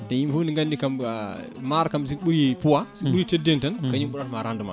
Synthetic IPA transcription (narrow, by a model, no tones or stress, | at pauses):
tɛjimfuniŋɡanːikam | maɾkams̬iɓuɾipuwasiɓuɾitedɛntɛnkaɲimɓuɾatmaɾanduma̰